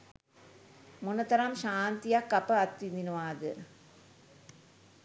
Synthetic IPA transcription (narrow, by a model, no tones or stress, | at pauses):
munɐt̪ɐɾamʃaːnt̪ijɐkːɐpɐɐt̪ːind̪inuʋaːd̪ɨ̰